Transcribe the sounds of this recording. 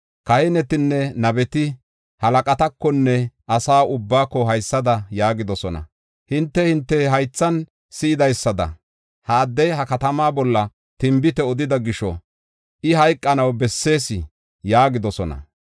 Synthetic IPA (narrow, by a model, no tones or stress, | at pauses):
kɐhɛnɛt̪ɪnːɛnɐbɛt̪ɪ | hɐlɐkʼɐt̪ɐkːɔnːɛʔɐsaːʊbːaːkːɔɦɐjsːɐd̪ɐjaːɡɪd̪ɔsɔnɐ̰ | hɪnt̪ːɛhɪnt̪ːɛɦɐjt͡sːɐn | sɪɪd̪ɐjsːɐd̪ɐ̰ | haːd̪ːɛɦɐkɐt̪ɐmaːbɔlːɐ | t̪ɪmbɪt̪ɛɔd̪ɪd̪ɐɡɪʃɔ̰ | ʔɪɦɐjkʼːɐnɐwbɛsːe̞ːsɪ | jaːɡɪd̪ɔsɔnɐ̰